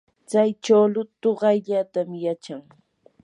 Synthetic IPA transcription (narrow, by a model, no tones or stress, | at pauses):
t͡sajt͡ʃawlʊt̪ʊɢɑjʎat̪amjat͡ʃaŋ